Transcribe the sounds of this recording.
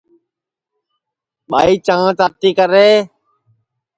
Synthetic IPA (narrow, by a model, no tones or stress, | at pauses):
ɓa̰ːiːt͡ʃãːt͡ʃaːt̪iːkəɾeː